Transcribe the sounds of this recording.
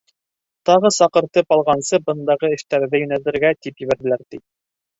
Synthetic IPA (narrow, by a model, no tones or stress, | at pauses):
t̪ɑʁɤsɑqɤ̆ɾt̪ɤpɑlˠʁɑnsɤbɤ̆nd̪ɑʁɤɘ̆ʃt̪æɾðɘjɵ̆nælɘ̆ɾɡæt̪ipjɘ̆βæɾβɘ̆læɾt̪i